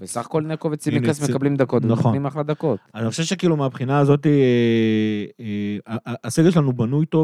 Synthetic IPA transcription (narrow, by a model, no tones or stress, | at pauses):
vesaχḁko̞lnekovet͡simikasmekablimd̪ako̞t̪naχonimaχlad̪ako̞tazniχʃevʃekiːlumeabχinaːzo̞t̪̬i | eaʔːseɡeʃelanubanujt̪o